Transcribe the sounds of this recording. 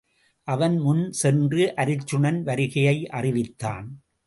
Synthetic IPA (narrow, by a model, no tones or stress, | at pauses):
ʔɐʋɐnmʊnsɛndrɯʔɐɾɪt͡ʃːɯɳɐnʋɐɾɪɣɐjɐɪʔɐrɪʋɪt̪ːa̰ːn